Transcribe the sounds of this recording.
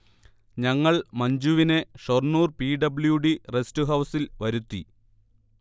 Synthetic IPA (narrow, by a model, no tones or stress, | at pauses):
ɲɐŋːɐɭmɐɲd͡ʑuʋine̞ʂornuːrpiːɖɐbljuɖirestɨɦɐwsilʋɐɾut̪ːi